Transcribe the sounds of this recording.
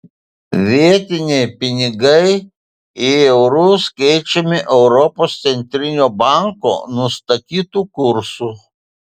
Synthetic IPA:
ʋʲiɛt̪ʲɪnʲɛɪpʲɪnʲɪɡɐɪ | ɪɛʊɾʊskɛɪt͡ʃʲɛmʲɪʔɛʊɾɔpoːst̪sʲɛnʲt̪ʲɾʲɪnʲoːbɑˑŋko̰ːnʊst̪ɐt̪ʲiːt̪uːkʊɾsuː

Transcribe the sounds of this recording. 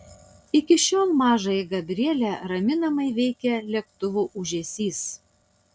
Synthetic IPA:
ɪkʲɪʃʲoːlˠmɑːʒɐjɛɡɐbʲɾʲiɛlʲɛɾɐmʲɪnɐmɐɪʋʲɛɪkʲɛlʲɛkt̪ʊʋuːʔʊʒʲɛsʲiːs

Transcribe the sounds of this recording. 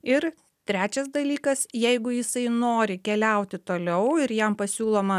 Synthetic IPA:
ɪɾ | t̪ʲɾʲæːt͡ʃʲɛsd̪ɐlʲiːkɐsjɛɪɡʊjɪsɐɪnoːɾʲɪkʲɛlʲɛʊt̪ʲɪt̪oːlʲɛʊɪɾjɛmpɐsʲuːlˠoːmɐ

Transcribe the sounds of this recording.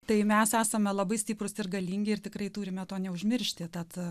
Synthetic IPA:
t̪ɐɪmʲɛsæːsɐmʲɛlˠɐbɐɪsʲtʲiːpɾʊsɪrɡɐlʲiːŋʲɡʲɪɪrt̪ʲɪkɾrɐɪt̪uːɾʲɪmʲɛt̪oːnʲɛʊʒʲmʲɪrʲʃʲt̪ʲɪt̪ɐt̪

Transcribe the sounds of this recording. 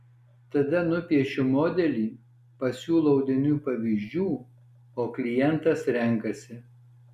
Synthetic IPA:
t̪ɐd̪ɐnʊpʲiɛʃʲʊmoːd̪ʲɛlʲiː | pɐsʲuːlˠoɔʊd̪ʲɪnʲuːpɐʋʲiːʒʲd͡ʒʲuː | oːklʲɪjɛnt̪ɐsɾʲɛŋˑkɐsʲɪ

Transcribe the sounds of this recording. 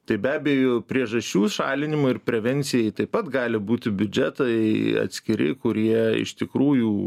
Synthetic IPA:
t̪ɐɪbʲæːbʲɛjopʲɾʲiɛʒɐsʲt͡ʃʲuːʃɑ̰ːlʲɪnʲɪmʊɪrpʲɾʲɛʋʲɛnʲtsʲɪjɛɪt̪ɐɪpɐt̪ɡɑːlʲɪbuːt̪ʲɪbʲʊd͡ʒʲɛt̪ɐɪɐ̰t̪ʲsʲkʲɪɾʲɪ̰kʊɾʲiɛɪ̰ʃt̪ʲɪkɾuːjuː

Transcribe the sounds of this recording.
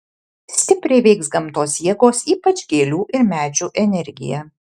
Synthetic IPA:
sʲt̪ʲɪpʲɾʲɛɪʋʲɛɪksɡɐmt̪oːsjiɛɡoːsiːpɐt͡ʃʲɡʲeːlʲuːʔɪɾmʲæːd͡ʒʲuːʔɛnʲɛɾʲɡʲɪ̰jɛ

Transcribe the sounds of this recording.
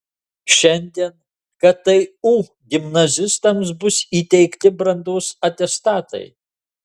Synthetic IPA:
ʃʲɛnʲd̪ʲiɛn | kɐttːɐɪuː | ɡʲɪmnɐzʲɪst̪ɐms̬bʊsiːt̪ʲɛɪkt̪ʲɪbɾɐnd̪oːsɐt̪ʲɛst̪ɑːt̪ɐ̰ɪ

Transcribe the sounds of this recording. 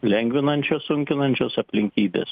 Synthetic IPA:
lʲɛŋʲɡʲʋʲɪnɐnʲt͡ʃʲoːsʊŋʲkʲɪnɐnʲt͡ʃʲoːsɐpʲlʲɪŋʲkʲiːd̪ʲḛːs

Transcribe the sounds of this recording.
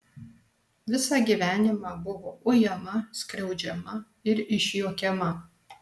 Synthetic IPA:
ʋʲɪsɑːɡʲiʋʲæːnʲɪmɑːbʊʋoːʔʊjɛmɐsʲkɾʲɛʊd͡ʒʲɛmɐ | ɪɾɪʃʲjoːkʲɛmɐ

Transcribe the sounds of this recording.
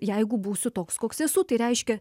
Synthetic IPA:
jɛɪɡʊbuːsʲʊt̪oːkskoːksɛsuːt̪ɐɪɾʲɛɪʃʲkʲɛ

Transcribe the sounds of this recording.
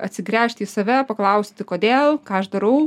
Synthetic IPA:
ɐt̪ʲsʲɪɡɾʲæːʃʲt̪ʲiːsɐʋʲæpɐklˠɐʊsʲt̪ʲɪkoːd̪ʲeːlˠkɑːɐʃd̪ɐɾɐʊ

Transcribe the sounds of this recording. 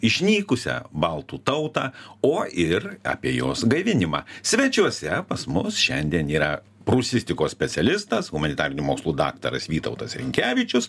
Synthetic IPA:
ɪʃʲnʲiːkʊsʲɛ̰bɐlˠt̪uːt̪ɐʊt̪ɑːoːɪrɑ̰ːpʲiɛjoːsɡɐɪʋʲɪnʲɪmɑ̰ːsʲʋʲɛt͡ʃʲuɔsʲɛpɐsmʊsʃʲɛnʲd̪ʲiɛniːɾɐ | pɾusʲɪsʲt̪ʲɪkoːsʲpʲɛt̪sʲɛlʲɪst̪ɐsɣʊmɐnʲɪt̪ɑːɾʲɪnʲumoːkslˠuːd̪ɑ̰ːkt̪ɐ̰ɾɐ̰sʋʲiːt̪ɐ̰ʊt̪ɐsɾʲɪ̰ŋʲkʲæːʋʲɪt͡ʃʲʊs

